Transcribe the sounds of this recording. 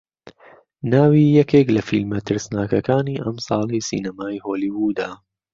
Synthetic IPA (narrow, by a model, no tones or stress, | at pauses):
naːwiːjɐkʰeːklɐfilmɐt̪ʰɨɾsnaːkɐkaːniːʔɐmsˤɑːlˠisḭːnɐmaːjhoːliːwuːd̪aː